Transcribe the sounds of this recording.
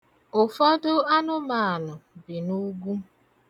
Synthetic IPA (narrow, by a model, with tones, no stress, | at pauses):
ʊ˨fɔ˦dʊ˦a˦nʊ˦ma˨a˨nʊ˨bi˨nu˦ɡu˦